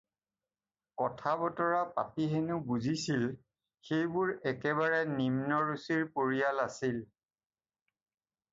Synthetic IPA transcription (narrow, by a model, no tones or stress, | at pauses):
kɔtʰabɔtɔɹapa̰piɦenubuzisil | xejbʊɹɛkɛβaɹɛnimnɔɹusiɹpoɹijalasil